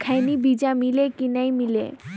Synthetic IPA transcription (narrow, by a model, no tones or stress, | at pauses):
kʰajnibid͡ʑamilekinajmilḛ